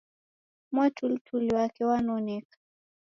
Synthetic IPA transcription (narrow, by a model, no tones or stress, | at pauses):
mwɛtulitʰuliwakɛwanɔnɛkḁ